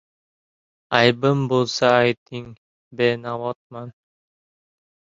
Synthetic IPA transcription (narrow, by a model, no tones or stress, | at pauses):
ɑjbɯmbolˠsɑːjt̪iŋ | benawɔt̪̚mɑn